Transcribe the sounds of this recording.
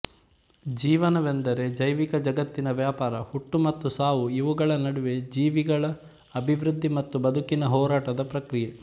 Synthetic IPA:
d͡ʒiːʋɐnɐʋend̪ɐɾe̞d͡ʒɐjʋikɐd͡ʒɐɡɐt̪ːinɐʋjaːpaːɾɐhuʈːumɐt̪ːusaːʋuiʋuɡɐɭɐnɐɽuʋe̞d͡ʒiːʋiɡɐɭɐː | bʱiʋɾud̪ʱːimɐt̪ːubɐd̪ʱukinɐɦɔːɾaːʈɐd̪ɐpɾɐkɾije

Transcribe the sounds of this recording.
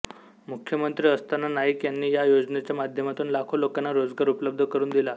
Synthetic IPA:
mukʰjəmənt̪ɾiːəst̪anːanaɦikjanːiːjajod͡znet͡ɕjamad̪ʱjəmat̪uːnlakʰolokanːaɾod͡zɡaɾupləb̚d̪ʱəkəɾuːnd̪ila

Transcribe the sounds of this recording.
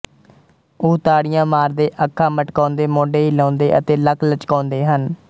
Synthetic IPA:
ʊːt̪aːɽɪjãːmaːɾd̪eːʔəkʰːaːməʈkãːnd̪eːmoːɖeːɦilãːnd̪eːʔə̰t̪eːləkʰlət͡ʃkaːnd̪eːɦən

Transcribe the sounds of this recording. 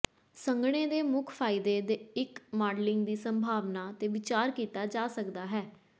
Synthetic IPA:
səŋɡɽ̃eːd̪eːmʊkʰpʰaːɪd̪eːd̪eɪkmaːɖlɪŋɡd̪iːsəmbʱaːʋnaːt̪eːʋɪt͡ʃaːɾkiːt̪aːd͡ʒaːsəkd̪aːɦɛː

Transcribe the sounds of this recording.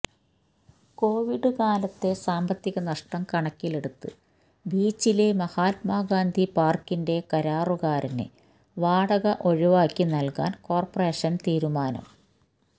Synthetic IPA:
ko̞ːʋiɽɨkaːlɐt̪ːe̞saːmbɐt̪ːiɣɐnɐʂʈɐmkɐɳɐkːile̞ɽut̪ːɨ | biːt͡ɕːilemɐhaːt̪̚maːɡaːnd̪ʱipaːrkːinde̞kɐɾaːruɣaːɾɐnḛ | ʋaːɽɐɣɐʔo̞ɻiʋaːkːinɐlka̰ːnko̞ːrpɐre̞ːʂɐnt̪iːɾumaːnɐ̰m

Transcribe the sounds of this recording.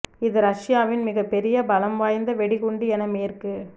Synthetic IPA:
ɪðɯɾɐʂɪjaːʋɪnmɪɣɐpːɛɾɪjɐbɐlɐmʋaːjnd̪ɐʋɛɽɪɣʊɳɖiɛnɐmeːɾkɯ

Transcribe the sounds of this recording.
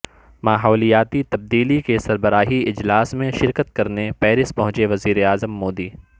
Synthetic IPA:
maːɦɔːlijaːt̪it̪ɐb̚d̪iːlikesɐɾbəɾaːɦiɪd͡ʒlaːsmẽʃɪɾkət̪̚kɐɾnepɛːɾɪspɐɦʊ̃t͡ʃeʋɐziːɾeaːzəmːoːd̪iː

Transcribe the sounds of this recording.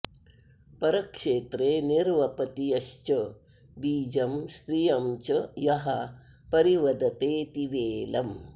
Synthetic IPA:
pɐɾɐkʂeːt̪ɾeːniɾʋɐpɐt̪ijɐʃt͡ʃɐ | biːd͡ʒɐmsɾijɐmt͡ʃɐjɐɦɐ | pɐɾiʋɐd̪ɐt̪eːt̪iʋeːlɐm

